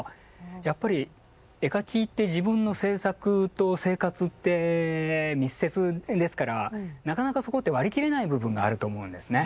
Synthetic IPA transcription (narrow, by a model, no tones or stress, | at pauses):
japːaɾʲi | e̞kakʲiːt̪ːe̞ʑibɯ̟̃nːo̞se̞ːsakɯ̟t̪o̞se̞ːkat͡sɨt̪ːe̞ | mʲisːe̞t͡sɨd̪e̞sɨ̥kaɾa̰nakanakaso̞ko̞t̪ːe̞βaɾʲikʲiɾe̞naibɯ̟bɯ̟̃ŋɡaːɾɯ̟t̪o̞ːmo̞ɯ̟̃nd̪e̞sɨne̞